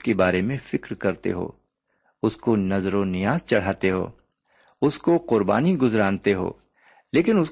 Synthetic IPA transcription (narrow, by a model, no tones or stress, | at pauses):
kebaːɾemẽfɪkɾkɐɾt̪ḛɦo̰ː | ʊskonɐzɾonɪjaːzt͡ʃɐɽ̤aːt̪eɦo̰ː | ʊskoqʊɾba̰ːniɡʊzɾãːnt̪eɦo̰ː | leːk̬ɪnʊs